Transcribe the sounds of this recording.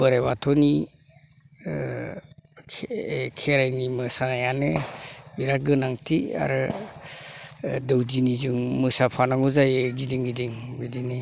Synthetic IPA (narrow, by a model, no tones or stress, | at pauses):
b̥ɯɾebatʰɔni | kʰeɾajnimɯsanajanebiɾaɡɯnaŋtʰia̰ɾɯ | dɯwdinizɯŋmɯsapʰanaŋuzajeɡidiŋɡidiŋbidini